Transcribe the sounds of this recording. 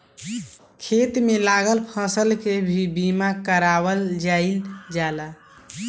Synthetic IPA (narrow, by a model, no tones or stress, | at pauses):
kʰet̪melaɡəlpʰə̃səlkebʱibimakəɾaβəld͡ʒaɪld͡ʒala